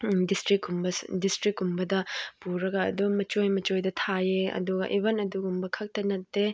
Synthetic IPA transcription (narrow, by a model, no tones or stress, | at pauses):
distɾikumbɐdistɾik̚ɡumbɐdɐpuɾɐɡɐɐ̰duɡmɐt͡ʃojmɐt͡ʃojdɐtʰajeɐ̰duɡɐ̰ʔibɐnɐduɡumbɐkʰɐk̚tɐnɐtːe